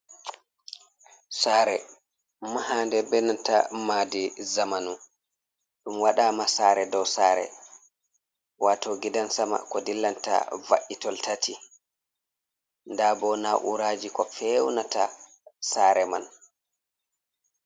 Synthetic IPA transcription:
saːɾɛ | maɦandɛbɛnanta̰maːdizamanu | ɗumwaɗaːmasaːɾɛdɔwsaːɾɛ̰ | waːtɔɡidansama̰kɔdilːanta̰va̰ʔitɔltatʰi | ndaːbɔnaʔṵɾaːd͡ʒikɔfɛwnata̰ | saːɾɛman

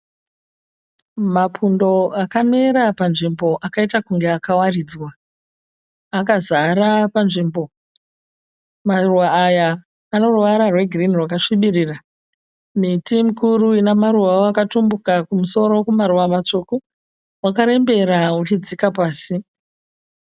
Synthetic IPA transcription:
mapʰundo̞akameɾapanʐimbo̞ʔakaitakuŋɡeakawariːd͡zwa | kazaɾapanʐimbo̞ | maruwaːjaː | no̞ruʋaɾarwe̞ɡʱirinirwakaʂiɓiriːra | mitimukuruinamaɾuwaoakatumbukakumuso̞ɾo̞kumaɾuwamat͡ʂoku | wakaɾe̞mbe̞ɾaut͡ʃid͡zikapaːsi

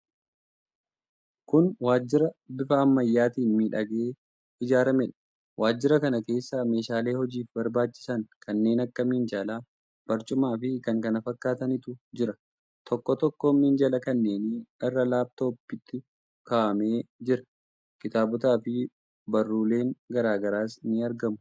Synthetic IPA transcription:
kʊnwaːd͡ʒːɪɾɐbɪfɐːmːɐjːaːt̪iːnmiːᶑɐɡe̞ː | ɪd͡ʒaːɾɐmɛᶑɐ̥ | wʔaːd͡ʒːɪɾɐkɐnɐke̞ːsːaːme̞ːʃaːle̞ːhɔd͡ʒiːfbɐɾbaːt͡ʃːɪ̥sɐŋkʰɐnːe̞ːnɐkːɐmind͡ʒaːlaː | b̥ɐɾt͡ʃʼʊmaːfɪkɐŋkɐnɐfɐkːaːt̪ɐnɪt̪ʊd͡ʒɪɾɐ | t̪ʰɔkːɔt̪ɔkːoːmiːnd͡ʒɐlɐkɐnːe̞ːnɪɪrːɐlaːb̚t̪oːpːɪt̪ːɪ | kaːʔɐme̞ːd͡ʒɪɾɐ̥ | kɪt̪aːbʊt̪aːfɪ | bɐrːuːle̞ːŋɡɐɾaːɡɐɾaːsɪnːɪɐɾɡɐmʊ

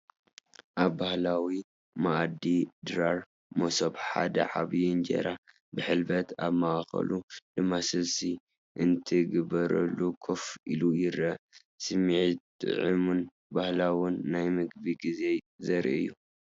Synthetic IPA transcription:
ʔaβːahlawi | maʔd̪ːid̪ɾaɾ | mosobħa̰d̪ɐ̰ʕaβjund͡ʒḛɾa | bɨħɨlbɐt̪ʰaβmaxɐ̰lulɨmːasɨlsi | ʔɨnt̪ʰɨɡɨbɐɾɐ̰lːukʰofḭlujɪɾɐ | sɨmiʕit̪ | ɨ̰ʕɨmun | bahlawʊnːajmɨɡbiɡize̞ | zɐɾiɨ̰jːu

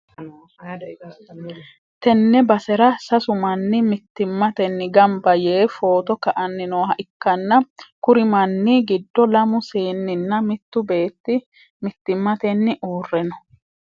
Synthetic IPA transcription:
t̪ɛnːɛbɐsɛɾɐsɐsʊmɐnːɪmɪt̪ːɪmːɐt̪ɛnːɪɡɐmbɐjeːfo̞ːt̪ɔkɐʔɐnːɪnoːhɐʔɪkːɐnːɐkʊɾɪmɐnːɪɡɪd̪ːɔlɐmʊseːnːɪnːɐmɪt̪ːʊbe̞ːt̪ːɪ | mɪt̪ːɪmːɐt̪ɛnːɪʔuːrːɛnɔ̥

